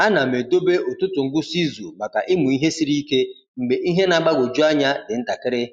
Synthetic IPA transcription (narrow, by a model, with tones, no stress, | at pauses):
a˦na˨me˨do˦be˦ʔʊ˨tʊ˦tʊ˨ŋ̩˦ɡʊ˦si˦zu˨ma˨ka˨ʔɪ˦mʊ˨i˦ɦe˦si˦ɾi˦ke˦ | ŋ͡m̩˨ɡ͡be˨ʔi˦ɦe˦na˨ɡ͡ba˦ɡʷo˨d͡ʒu˦a˦ɲa˦dɪ˨n̩˦ta˨kɪ˦ɾɪ˦